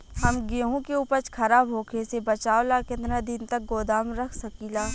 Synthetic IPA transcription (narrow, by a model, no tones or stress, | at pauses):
ɦɐmɡeɦõkeʊpət͡ʃkʰɐɾaːbɦoːkʰesebɐt͡ʃaːolakɪt̪nad̪ɪnt̪ɐk̚ɡoːd̪aːmɾɐkʰsɐkiːlaː